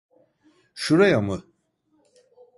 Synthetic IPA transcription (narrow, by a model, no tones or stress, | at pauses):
ʃuɾajamɯ